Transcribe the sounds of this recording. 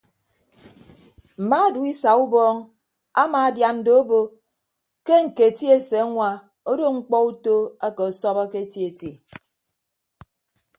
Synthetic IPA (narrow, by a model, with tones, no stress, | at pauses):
m̩˨ma˦˨du˨˦i˦sa˨u˦bɔː˦ŋ | a˦maː˨dja˨n̩˦do˦o˦bo˦ | ke˦ŋ̩˨ke˨ti˦e˨se˨a˦ŋʷa˨ | o˦do˦ŋ͡m̩˦k͡pɔ˦u˦to˦a˦ke˨ɔ˨sɔ˦βɔ˦ke˦ti˦e˨ti˨